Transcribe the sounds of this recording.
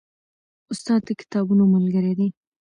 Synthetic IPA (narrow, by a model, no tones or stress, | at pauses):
ʊst̪ɑd̪̚d̪əkɪ̥t̪ɑbunoməlɡəɾed̪e